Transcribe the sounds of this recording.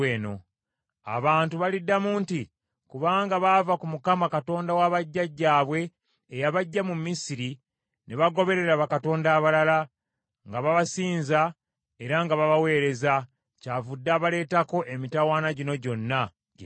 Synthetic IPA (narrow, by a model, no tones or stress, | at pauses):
eːno̞ | a̰βaːntuβalidːamuːnti | kuβaːŋɡaβavakumukamakato̞ːndawaβaɟːaɟːaːβwe̞ː | jaβaɟːamumːisiɾi | neβaɡo̞βe̞ɾe̞ɾaβakato̞ːndaːβalala | ŋɡaβaβasiːnza | e̞ɾaŋɡaβaβawe̞ːɾe̞za | cavudːaːβale̞ːtako̞ʔemitawaːnaɟino̞ɟo̞nːa